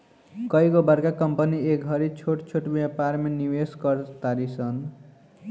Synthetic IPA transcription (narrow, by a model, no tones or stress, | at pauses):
kʌjkobʌɾkakʌmpʌniekɦʌɾit͡sʰoʈt͡sʰoʈbjʌpaɾmeniweskʌɾt̪aɾisʌn